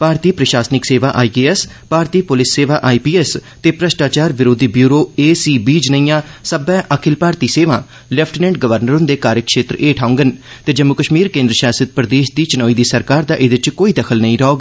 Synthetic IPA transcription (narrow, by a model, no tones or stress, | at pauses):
paːɾt̪iːpɾəʃaːsnɪkseːʋaːʔaːiɡeːɛs | paːɾt̪iːpʊlɪsːeːʋaːʔaːipiːɛst̪eːpɾəʃʈaːt͡ʃaːɾʋɪɾoːd̪iːbjuːɾoːeːsiːbiːd͡ʒnəĩːjãːsəbɛ̃ːʔəkʰɪlpaːɾt̪iːseːʋã̰ː | lɛpʰʈnɛ̃ɳʈɡəʋəɾnəɾʊ̃nd̪eːkaːɾjəkʃeːt̪ɾəʔeːʈʰaːʊ̃ŋɡənt̪eːd͡ʒəmːʊkəʃmiːɾkẽːnd̪ɾəʃaːsət̪̚pɾəd̪eːʃd̪iːt͡ʃɪnɔːiːd̪iːsəɾkaːɾd̪aːʔɪd̪ɪt͡ʃkoːiːd̪əkʰəlnəĩɾɔːɡ